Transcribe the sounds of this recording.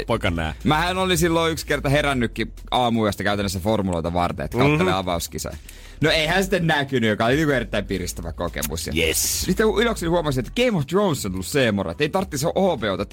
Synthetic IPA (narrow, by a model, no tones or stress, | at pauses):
poikɑnæ̰ːmæhænolisilːoykskert̪ɑheɾænːykːi | ɑːmujɑst̪ɑkæyt̪ænːøsːæformulo̰it̪ɑʋɑ̰rt̪ḛːet̪ːɑt̪ːɑleɑʋɑuskisɑ̰j | noeihænsit̪ːennækynyjokɑoliniːkueɾit̪ːæimpirist̪æʋækokḛmṵsjɑ̰jḛssit̪ːekuʔiloksilihuɑmɑsiet̪ːæ̥keimofd̪̥ronsːont̪olːusseːmorɑ̰et̪ːˑeit̪ɑrt̪ːisoʔoːpeot̪ɑt̪ː